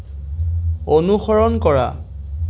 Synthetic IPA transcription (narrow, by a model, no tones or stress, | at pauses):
onuxɔɹɔnkɔɹa̰